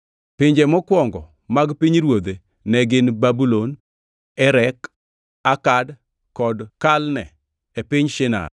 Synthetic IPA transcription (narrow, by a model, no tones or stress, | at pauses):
pɪɲd͡ʒɛmɔkwɔŋɡɔ̰ | maɡpiɲɾwod̪e | nɛɡɪnbabulon | ɛɾɛk | akad | kɔdkalnɛ | epɪɲʃɪna̰